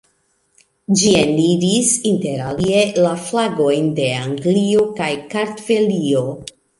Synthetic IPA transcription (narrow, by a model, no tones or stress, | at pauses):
d͡ʒienidisinte̞ɾalie̞laflaɡo̞jnde̞aŋɡlio̞kajkaɾtve̞lio̞